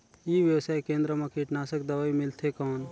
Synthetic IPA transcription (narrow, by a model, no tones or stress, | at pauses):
jiːʋjəwsaːekẽːnd̪ɾəmãkiʈnaːsəkd̪ɐʋaːimɪlt̪ʰekɔːn